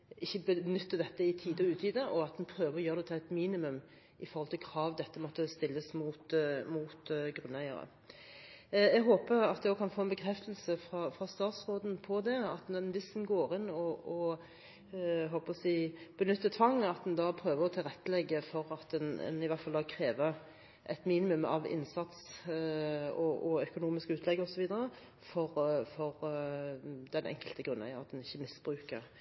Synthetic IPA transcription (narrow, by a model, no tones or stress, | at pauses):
ɪçːəbənʏt̪ːəd̪ɛt̪ːəɪt̪ʰiːd̪əɔʉːt̪iːd̪əʔɔɑt̪d̪ɛnpʰɾøːʋəʁɔjøːʁd̪ɛt̪ʰæɪt̪miːnɪmʉm | ɪfɔɾhɔlt̪ʰɪlkʰɾɑːʋd̪ɛt̪ːəmɔt̪ːəst̪ɪlːəsmuːt̪muːt̪ɡɾʉnːæɪə̰ɾə̰ | ɛɡɦoːpəɾɑt̪̚d̪ɛɔkʰɑnfoːɛnbəkʰɾɛft̪əl̩səfɾɑfʁɑst̪ɑːt̪sʁoːd̪n̩pʰɔd̪ɛɑt̪nʋɪsɛnɡoːʁɪnɔɔ | ɦɔlpʰɔsiːb̥ənʏt̪ːət̪ʰʋɑŋːɑt̪d̪ɛnd̪ɑːpʰɾøːʋəʁɔt̪ʰɪlʁɛt̪ːəlɛɡːəfɔɾɑt̪̚d̪ɛnɛ̰nɪʋæʁt̪fɑld̪ɑːkʰɾeːʋə | ʔɛt̪miːnɪmʉmɑ̰ʋɪ̰nsɑt̪s | ɔʔɔœkʊnuːmɪskəʉːt̪ʰlɛɡɔsɔʋiːd̪əɾə | fɔɾfɔɾ | d̪ɛnʔɛ̰ŋkəlt̪əɡʁʉnːɑ̰æ̰ɾɑt̪̚d̪ɛnɪçːəmɪsb̥ɾʉːkə̰ʁ